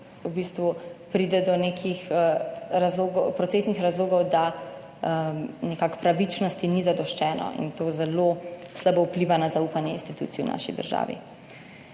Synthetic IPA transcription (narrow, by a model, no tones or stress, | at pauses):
ubiːst̪ʋupɾiːd̪ɛd̪ɔnekʰix | ɾazloːɡɔpɾɔt̪seːsnixɾazloːɡɔwd̪a | nɛkakpɾaʋit͡ʃnɔst̪inizad̪ɔʃt͡ʃɛːnɔ̰ʔḭnt̪oːzɛloslabɔupliːʋanazaupanjɛinst̪it̪ṵːt̪siɛuna̰ːʃḭd̪ə̰ɾʒa̰ːʋḭ